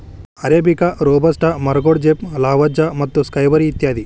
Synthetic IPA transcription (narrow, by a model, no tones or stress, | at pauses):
ɐɾeːbikɐɾoːbɐsʈɐmɐɾɐɡoɽd͡ʒeplaːʋɐd͡ʒɐmɐt̪ːuskɐjʋɐɾiːt̪jaːd̪i